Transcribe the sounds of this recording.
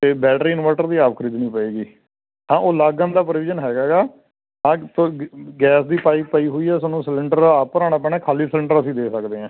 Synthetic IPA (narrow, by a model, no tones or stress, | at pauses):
t̪eːbɛːʈɾiːɪnʋaːʈəɾd̪iːaːpkʰəɾiːd̪nĩːpəeːɡiː | ɦãːʔoːlaːɡə̃nd̪aːpɾəʋɪːd͡ʒənɦɛːɡaːɡaː | ɦãːt̪oɡɛːsd̪iːpaːiːpaiːɦoːiːɛːsənũːsəlɪɳɖəɾaːpəɾaːɽ̃aːpɛːɽ̃ɛ̃ːkʰaːliːsəlɪɳɖəɾəsĩːd̪eːsəkd̪eːɦɛ̃ː